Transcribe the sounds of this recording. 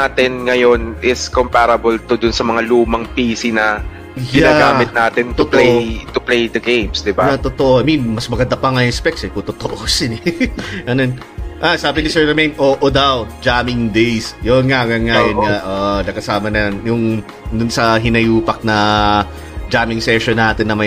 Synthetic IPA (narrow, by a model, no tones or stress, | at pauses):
aːt̪ɪnŋɐjo̞nɪskompaɾɐbolt̪ʊd̪ʊnsɐmɐŋaluːmɐŋpiːsinɐ | jɪaːɡaːɪt̪̚naːt̪ɪnt̪ʊpleʔjt̪ʊplejd̪ɐɡejmsd̪ɪbanɐt̪ot̪oʔoʔɐminmɐsmɐɡɐnd̪apɐŋɐjɪspɛksɛkʊt̪ot̪oʔosɪnɛʔɐnon | ʔasaːbɪnɪsɛɹɾɛmejnʔoːʔod̪ɐwd͡ʒaːmɪŋd̪ejsjonŋaɡaŋajonŋaʔoʔnɐkɐsaːmɐnɐnjʊŋ | d̪ʊnsɐɦɪnɐjuːpɐk̚nɐ | d͡ʒaːmɪŋsɛʃonːaːt̪ɪnːɐmɐj